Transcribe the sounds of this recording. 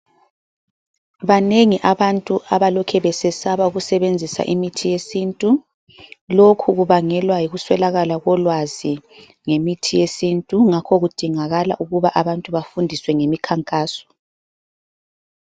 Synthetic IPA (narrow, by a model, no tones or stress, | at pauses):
βaneŋiʔaβantʼuʔaβalɔkʰɛβɛsɛsaβauɣusɛβend͡zʱisa̰ʔimitʰijesiːntʼu | lokʰuɣuβaŋɛlwajiɣuswɛlaɣalaɣɔlwazi | ŋemitʰijesintʼuŋakʰɔɣud̥ʱiŋaɣala̰ʔuɣuβaʔaβantʼuβafundʱiswɛŋemikʰaŋkʼaːsɔ̥